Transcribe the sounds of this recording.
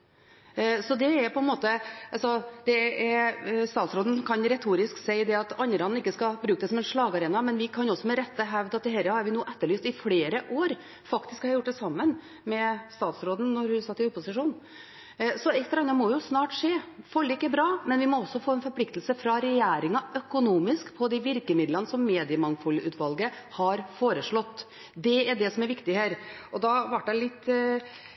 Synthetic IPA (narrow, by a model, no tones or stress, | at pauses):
sɔd̪ɛɛɾpʰɔɛnmoːt̪əɑlsɔd̪̥ɛɛɾst̪ɑːt̪sɾoːd̪n̩kʰɑnɾɛt̪ʰuːɾɪsksæɪd̪ɛɑt̪ɑnːəɾɑn̩ɪkːəskɑbɾʉːkəd̪ɛsɔmɛnʂɭɑːɡɑɾeːnɑmɛnʋɪkʰɑnɔsːɔmɛɾɛt̪ːəɦæʋd̪ɑt̪d̪ɛɦɛɾəhɑɾʋɪnuːʔɛt̪ːəɭyːst̪ɪfɽeːɾəʔoːɾ | fɑkt̪ɪskhɑɾɾjʊʈ̚ːd̪ɛsɑmːən | mɛst̪ɑːt̪sɾoːd̪n̩nɔɾhʉsɑt̪ːɪʊpːʊsɪʂuːn | sɔɛt̪ːəɾɑnːɑmɔjʊsnɑːʈʂeːfɔlːɪkːəbɾɑːmɛnʋɪmɔɔsːɔfoːɛnfɔɾpʰlɪkt̪lsəfɾɑɾɛjæːɾɪŋɑʔœkʊnuːmɪskpʰɔd̪ɪʋɪɾkəmɪd̪lənəsɔmːeːd̪ɪəmɑŋfɔlʔʉːt̪ʋɑlɡə | hɑɾfoːɾəʂɭɔt̪ː | d̪ɛæɖɛsɔmæɾʋɪkt̪ɪhæːɾɔd̪ɑʋɑʈ̚ːd̪ɛlɪt̪ː